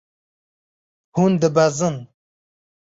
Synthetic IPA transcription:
hund̪əbazən

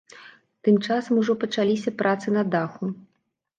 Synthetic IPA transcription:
t̪ɨmt͡ʂasɐmuʐɔpɐt͡ʂalʲisʲɐpɾʔat̪sɨnɐd̪axu

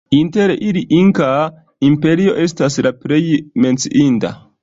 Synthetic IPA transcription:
inteɾʔiliʔiŋka | impe̞ɾio̞̰ʔe̞s̬taslapɾejme̞nt͡siʔinta̰

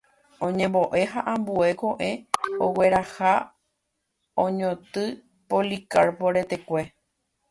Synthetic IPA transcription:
õɲẽmbo̞ʔe̞ɦaʔãmbue̞ko̞ʔe̞owe̞ɾaha | õɲõt̪ɨ | polikaɾpoɾe̞t̪e̞kʷe̞

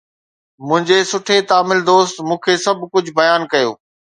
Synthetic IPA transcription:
mʊ̃ɦɪ̃ɲd͡ʑesʊʈʰet̪aːmɪld̪oːst̪mũːkʰeːsɐb̚ʱkʊd͡ʑʱʊbɐjaːnkɐjo̰ː

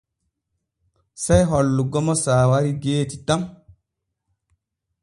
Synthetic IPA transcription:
sejɦɔlːuɡɔmɔsaːwaɾiɡeːtitam

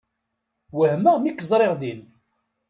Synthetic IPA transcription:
wəhməmikːəzˤɾˤeʁd̪in

